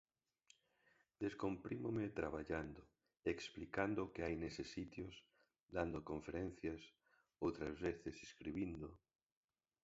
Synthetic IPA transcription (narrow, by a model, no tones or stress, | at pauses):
d̪eskompɾimomet̪ɾaβaʎand̪o | eksplikand̪okeajnesesːit̪jos | d̪and̪okõɱfeɾɛnθjas | owt̪ɾazβeθeseskɾiβind̪o